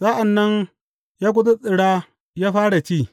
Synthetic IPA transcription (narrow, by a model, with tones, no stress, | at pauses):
sa˦ʔa˨nːɐ˦n | jaː˦k̬ʷʊ˦tu˦sʼɪ˨ɽaː˦ | jaː˦ɸaː˦ɽa˨t͡ʃiː˦˨